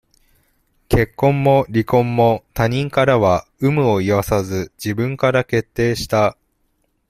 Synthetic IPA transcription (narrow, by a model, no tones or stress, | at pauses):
kʰe̞kːõ̞mːo̞ɾʲikõ̞mːo̞t̪aɲ̟ĩŋkaɾaβaɯ̟mɯ̟o̞iβasazɨd͡ʑibɯ̟̃ŋkaɾake̞t̪ːe̞ːɕi̥t̪a